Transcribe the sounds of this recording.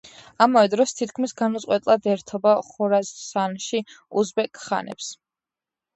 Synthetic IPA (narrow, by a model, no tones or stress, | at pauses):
amavɛd̪ɾɔst̪ʰit̪ʰkʰmisɡanut̪sʼqʼwɛt̪ʼlˠad̪ɛɾt̪ʰɔbaχɔɾazsanʃiuzbɛkʰʼχa̰nɛ̰ps